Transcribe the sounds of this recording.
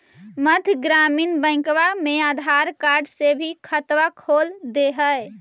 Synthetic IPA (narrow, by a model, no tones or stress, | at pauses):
məd̪ʱɡɾaminbə̃ɪ̃kʋamead̪ʱaɾkaɾɖsebʱikʰət̪ʋakʰold̪eɦə